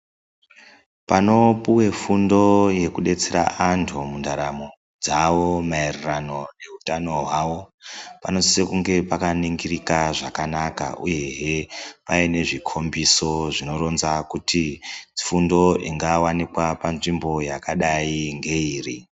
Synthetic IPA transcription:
pano̞puwe̞fundo̞je̞kuɗe̞t͡seɾa̰ʔantʰumundʱaɾamo | d͡zaʋo̞maerirano̞ne̞ɦutano̞ɦwaːʋo̞pano̞sisekuŋɡe̞pakaniŋɡirikaʐakanaka̰ṵje̞ɦepaine̞ʐikʰo̞mbiso̞ʐino̞ɾo̞nzakutifundo̞iŋɡawanikwapanʐimbo̞jakaɗaiŋɡe̞iːrḭ

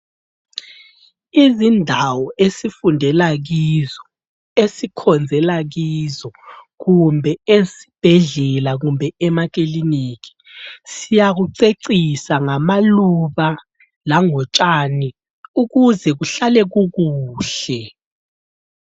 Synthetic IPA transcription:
izindʱawɔesifundʱɛlaɣizɔ | esikʰɔnd͡zʱɛlaɣizɔɣumbʱɛesi̥b̥ʱɛɮɛlaɣumbʱɛɛmak̬ʼiliniːk̬i̥ | sijaɣuǀeǀisaŋamaluβa | laŋɔt͡ʃʼani | uɣuzɛɣuɬalɛɣuɣuːɬɛ

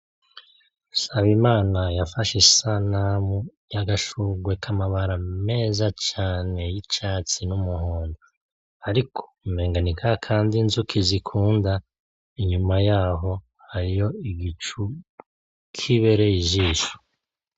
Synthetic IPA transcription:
saβimaːnajafaʃisanamu | jaɡaʃuɡwe̞kʰamaβaɾame̞ːzat͡ʃaːne̞jit͡ʃaːt͡sinumuhoːndo | aɾikʰo̥me̞ːŋɡanikʰakʰaːndinzukʰizikʰuːnda | iɲumajaːɦo̞ | haɾijo̞iɡit͡ʃu | kʰiβe̞ɾejiʒiːʃu̥

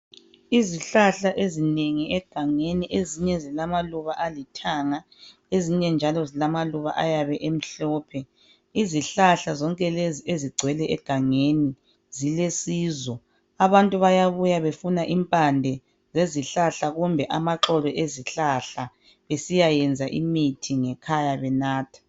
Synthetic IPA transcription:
iziɬaɬaʔezineŋiɛɡ̥ʱaŋeniʔeziɲɛzilamaluβaʔalitʰaŋa | eziɲɛnd͡ʒʱalɔzilamaluβa̰ʔajaβɛʔem̩ɬɔːpʰɛ | iziɬaɬazɔŋkʼɛlezieziɡ͡ǀʱwɛlɛʔɛɡ̥ʱaŋeni | zilesiːzɔ | aβantʼuβajaβujaβefunaʔimpʼandʱɛ | zeziɬaɬaɣumbʱɛʔamaǁɔlɔʔeziɬaɬa | βesijajɛnd͡zʱaʔḭmitʰiŋɛkʰajaβɛnaːtʰḁ

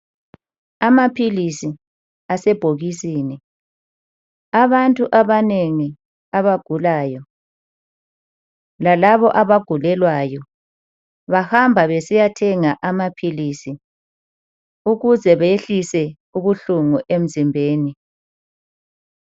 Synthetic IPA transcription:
amapʰilisi | asɛb̥ʱoɣisiːni | aβantʼuʔaβaneŋi | aβaɡ̥ʱulaːjɔ | lalaβɔʔaβaɡ̥ʱulɛlwajɔ | βahambʱaβesijatʰɛŋaʔamapʰilisi | uɣuzɛβaeɬisɛ | uβuɬuŋuʔem̩zimbʱeːni

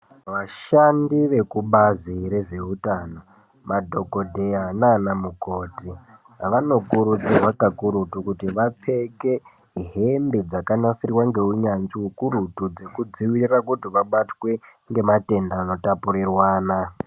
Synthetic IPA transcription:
ʋaʃandiʋe̞kuɓaziɾe̞ʐe̞utano | madʱo̞ko̞dʱeanaːnamuko̞ːti | ʋano̞kuɾut͡sirwakakuɾutukutiʋap͡fe̞ke̞ | ɦembed͡zakanasirwaŋɡe̞uɲand͡ʒiukuɾutud͡ze̞kud͡ziwirrakutiʋaɓatwe̞ | ŋɡe̞mate̞ndaːno̞tapurirwaːna

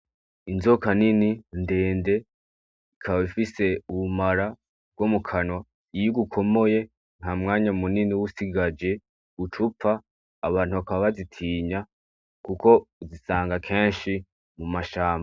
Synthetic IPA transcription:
inzokanininde̞ːnde̞ | ikʰaβaifise̞uβumaɾa | ɡwomukʰanwa | ijuɡukʰo̞mo̞je̞ | n̥hamŋaːɲamuniniwusiɡad͡ʒe̞ | ut͡ʃup̪faː | βaːnhuβakaββazitʰiːɲa | kuko̞uzisaːŋɡakʰe̞ːnʃi | mumaʃaːmba

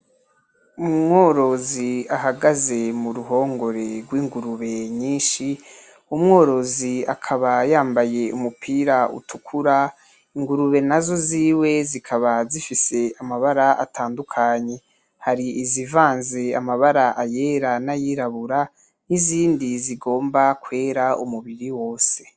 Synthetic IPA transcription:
umŋo̞ːɾo̞ziaɦaɡaze̞muɾuɦo̞ːŋɡo̞ɾe̞ɾɡwiːŋɡuɾuβe̞ɲiːnʃi | umŋo̞ːɾo̞zia̰kʰaβajaːmbaje̞ṵmupʰiːɾaṵtʰukʰuɾa | iŋɡuɾuβe̞nazo̞ziːwe̞zikʰaβazifise̞amaβaɾaʔa̰tʰaːndukʰaɲe̞ | haɾiizivaːnzeamaβaɾaʔaje̞ːɾanajiɾaβuɾa | niziːndiziɡo̞ːmbakwe̞ːɾaumuβiɾiwo̞ːse̞

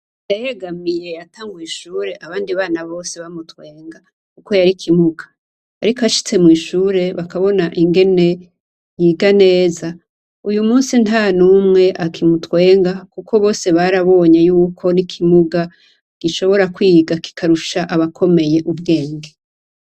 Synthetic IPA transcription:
ndajeɡamije̞jataːŋɡujiʃuːɾe̞ʔaβaːndiβaːnaβo̞ːse̞βamutwe̞ːŋɡa | kuko̞jaɾikʰimuɡa̰ː | ɾikaʃi̥t͡se̞mwiːʃuːɾe̞βakaβo̞naʔiŋɡe̞ne̞ | jiːɡane̞ːza | ujumuːnsinanuːmŋe̞ʔakʰimutwe̞ːŋɡakukʰo̞βo̞ːse̞βaɾaβo̞ːɲejuːkʰo̞nikʰimuɡa | ɡ̥iʃo̞βo̞ɾakwiːɡaki̥kʰaɾuʃaʔaβakʰo̞me̞je̞ʔubɡe̞ːŋɡe

